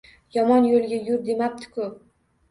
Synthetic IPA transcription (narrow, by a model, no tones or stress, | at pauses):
jɒmɒnjolˠɡʲajʊɾd̪e̞map̚t̪ʰɪ̥kʰʊ